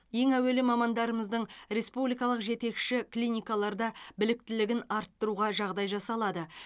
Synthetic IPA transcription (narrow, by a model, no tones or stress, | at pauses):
je̞ŋæwe̞lɪmɑmɑnd̪ɑɾəməzd̪əɴɾe̞spublijkɑlˠəqʒe̞t̪e̞kʃɪklʲinʲijkɑlˠɑɾd̪ɑbɪlɪk̚t̪ɪlɪɡʲɪnɑɾt̪ːəɾuʁɑʒɑʁd̪ɑjʒɑsɑlˠɑd̪ə